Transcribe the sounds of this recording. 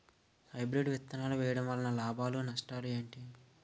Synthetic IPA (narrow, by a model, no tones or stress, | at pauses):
hɐjbɾeɖʋit̪ːɐnaːluʋɛːjɐɽɐmʋɐlːɐnɐlaːbʱaːlunɐʂʈaːlue̞ːɳʈi